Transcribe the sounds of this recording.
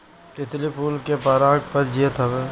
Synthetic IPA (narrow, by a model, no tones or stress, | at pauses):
t̪ɪt̪lipuːlkepaːɾaːɡpəɾd͡ʒiət̪ɐʋeː